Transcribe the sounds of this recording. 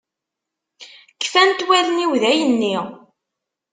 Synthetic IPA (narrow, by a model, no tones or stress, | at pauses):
kːfænt̪wæləniwðæjənːi